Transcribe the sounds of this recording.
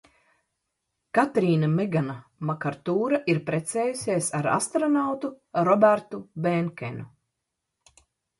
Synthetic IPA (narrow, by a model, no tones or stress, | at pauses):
kat̪ɾiːnameɡanamakaɾt̪uːɾaʔiɾpɾɛt̪sɛːjusʲiɛsaɾa̰st̪ɾɔnawt̪u | ɾɔbæɾt̪ubɛŋkɛ̰nʲu